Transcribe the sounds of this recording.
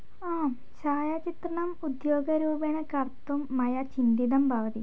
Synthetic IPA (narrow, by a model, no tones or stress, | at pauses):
aːm | ʃaːjat͡ʃit̪ɾɐɳɐmud̪joːɡɐɾuːbeɳɐkɐɾt̪umːɐjɐt͡ʃind̪id̪ɐmbʱɐʋɐt̪i